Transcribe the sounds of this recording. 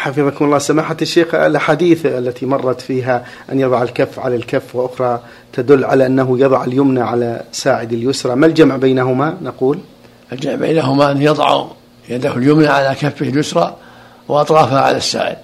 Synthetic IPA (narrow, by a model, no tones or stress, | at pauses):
ħɑfɨðˤɑkʊmʊlˤːɑːsamaːħat̪aʃːeːxa̰lʔaħaːd̪iːθʔalːat̪imɑrˤːɑt̪fiːɦa | ʔanjɑðˤɑʕalkafːʕalalkafːwʔʊxɾˤɑ | t̪ad̪ʊlːʕalaʔanːaɦʊjɑðˤɑʕaljʊmnaʕalasaːʕɪd̪aljʊsɾˤɑmald͡ʒamʕbajnaɦʊmanaquːl | ald͡ʒamʕba̰jnaɦʊmaʔanːjɨðˤʕṵ | jad̪ahʊljʊmnaʕalakafːɪhɪljʊsɾˤɑ | wʔɑt̪ˤɾˤɑːfhaʕa̰lasːa̰ːʕɪ̰d̪